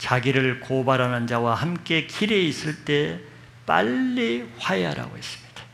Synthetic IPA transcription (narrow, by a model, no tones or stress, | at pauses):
t͡ɕaɡiɾɯɭkobaɾanɯnd͡ʑawahamk͈e̞kʰiɾeis͈ɯɭt͈e̞ | pa̰ʎːiɸajeɦa̰ɾa̰ɡois͈ɯ̥mɲid̥ḁ